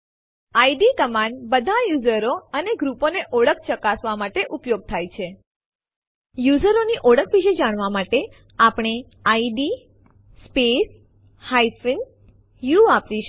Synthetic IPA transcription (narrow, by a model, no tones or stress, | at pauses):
aiɖikəmãɳɖbəd̪ʱajuzəɾoəneɡɾuponeʔɔɽəkʰt͡ʃəkasʋamaʈeʔupjoɡ̚t̪ʰajt͡ʃʰe | juzəɾoniʔɔɽəkʰʋiʃed͡ʒaɽ̃ʋamaʈe | apɽ̃e | aiɖi | spes | haifin | juapʋiʃ